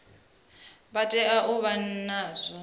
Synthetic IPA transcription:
batʼɛʔaʔuβannaːzʷɔ

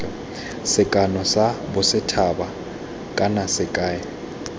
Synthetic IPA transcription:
sɪkʼanɔsabʊsɪtʰaba | kʼanasɪkʼaːja

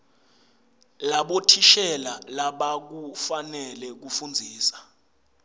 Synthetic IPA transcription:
laɓotʰiʃɛlalaɓak̬ufanɛlɛk̬ufund͡zʱiːsḁ

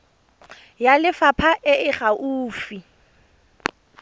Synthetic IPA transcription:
jalɪfapʰaʔɪʔɪχaʔuːfi

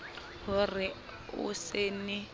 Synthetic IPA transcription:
hʊrɪ | ʊ̰seːnɪ

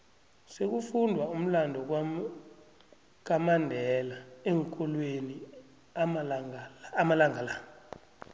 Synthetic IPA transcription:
sek̬ufundʱwaum̩landʱɔ | k̬amandʱɛlaeŋkʼɔlweni | ŋːmalaŋalaːŋa

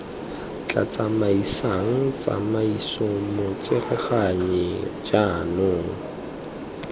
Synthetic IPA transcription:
t͡ɬʼa̰t͡samaisaŋ̩t͡sa̰maisʊmʊt͡sɪrɛχaɲɛd͡ʒanʊːŋ̩

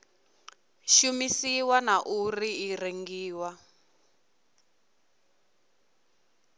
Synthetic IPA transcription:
ʃumisiwanaʔuriːreŋɡiːwa

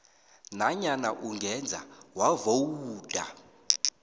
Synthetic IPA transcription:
naɲanaʔuŋɡʱɛnd͡zʱa̰wavowuːdʱa̰

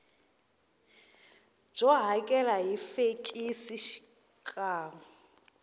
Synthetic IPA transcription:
b͡ʐɔɦakʼɛlaɦifekʼisiʃi̥ | kʼaːŋɔ

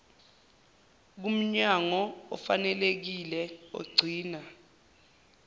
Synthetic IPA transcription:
k̬um̩ɲaŋɔɔ̰fanɛlek̬ilɛo̰ɡ͡ǀʱiːna

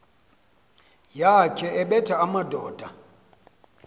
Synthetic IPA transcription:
jakʰɛʔɛɓɛtʰaamadʱɔːd̥ʱa

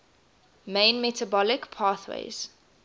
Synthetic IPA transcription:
mẽɪ̃nmɛtabɔlɪkpʰɑːθwḛɪz̥

